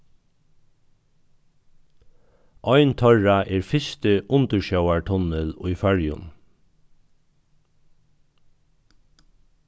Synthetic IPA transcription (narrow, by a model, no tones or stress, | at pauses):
ʔɔʏnt̪ʰœɹaʔeːɹfɪst̪əʔʊnt̪əʃœʊaɹʈʰʊnəlʊɪfæɹjʊ̰n